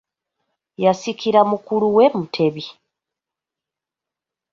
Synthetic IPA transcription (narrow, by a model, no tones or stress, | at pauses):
jasikiɾamukuluwe̞mutʰe̞βi